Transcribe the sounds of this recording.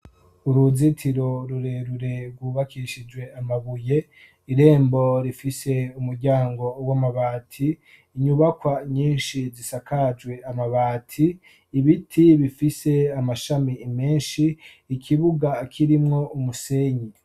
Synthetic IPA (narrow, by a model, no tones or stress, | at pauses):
uɾuzitʰiɾo̞ɾuɾe̞ɾuɾe̞ɾɡwuβakiʃid͡ʒwe̞amaβuje̞ | iɾe̞ːmbo̞ɾifise̞umuɾɟaːŋɡo̞wamaβaːtʰiː | ɲuβakwaɲiːnʃizisakʰad͡ʒwe̞amaβaːtʰiː | βitʰiβifise̞amaʃamimeːnʃiː | kʰiβuɡakʰiɾimŋo̞umuse̞ːɲi